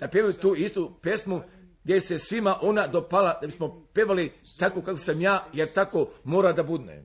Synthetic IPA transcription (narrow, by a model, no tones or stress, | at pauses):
d̪̥apjeʋajut̪uːist̪upjesmu | ɡd̪jesesʋimaʔo̞nad̪opalad̪abismopjeʋalit̪akokakʋosamjaːjeɾt̪akomoːɾad̪abud̪nḛ